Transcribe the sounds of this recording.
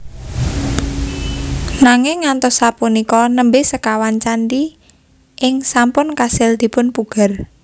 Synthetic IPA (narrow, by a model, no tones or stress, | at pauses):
naŋɪŋːant̪ɔsapunikɔnəmbɪsəkawant͡ʃandi | ʔɪŋsampʊnkasɪld̪̥i̤pʊnpuɡ̥a̤r